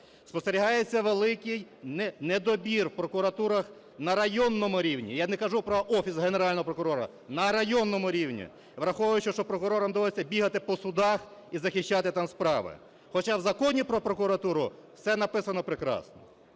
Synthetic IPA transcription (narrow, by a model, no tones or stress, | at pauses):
spɔst̪eɾʲiɦɑjet͡sʲːɐʋelˠɪkɪjnɛned̪ɔbʲirwpɾɔkʊɾɐt̪uɾɐx | nɐɾɐjɔnːɔmʊɾʲiwnʲḭjanɛkɐʒupɾɔʔɔfʲisɦeneɾɑlʲnɔɦɔpɾɔkʊɾɔɾɐ̰ | nɐɾɐjɔnːɔmʊɾʲiwnʲḭ | ʋɾɐxɔʋɐjʊt͡ʃɔʃt͡ʃɔpɾɔkʊɾɔɾɐmd̪ɔʋlˠɔsʲːɐbʲiɦɐt̪ɪpɔsʊd̪ɑxizɐxɪʃt͡ʃɑt̪ɪt̪ɑmspɾɑʋɪ̰ | xɔt͡ʃawzɐkɔnʲipɾɔpɾɔkʊɾɐt̪uɾʊfsɛnɐpɪsɐnɔpɾɪkɾɑ̰snɔ̰